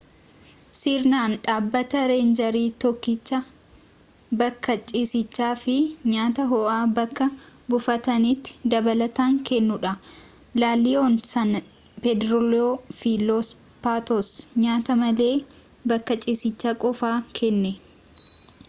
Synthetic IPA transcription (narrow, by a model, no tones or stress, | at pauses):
siːɾnaːnᶑaːbːɐt̪ɐɾe̞ːnd͡ʒɐɾiːt̪ɔkːɪt͡ʃːɐ | bɐkːɐt͡ʃʼiːsɪt͡ʃːaːfɪɲaːt̪ɐɦɔʔaːbɐkːɐbʊfɐt̪ɐnit̪ːɪ̥d̪ɐbɐlɐt̪aːŋkɛnːʊᶑɐ | laːlːɪonsɐn | pɛd̪ɾɔloːfilos | paːt̪ɔsɲaːt̪ɐmɐleː | bɐkːɐt͡ʃʼiːsɪt͡ʃːakʼɔfaːkʰɛnːɛ